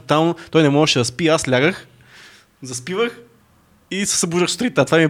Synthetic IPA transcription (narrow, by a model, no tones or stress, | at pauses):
t̪alˠnot̪ɔjnɛmɔʒɛʃɛd̪ɐspiaslʲaɡəx | zɐspivəx | isɛ̥sɐbuʒəxsu̥t̪ɾit̪at̪vamiɛ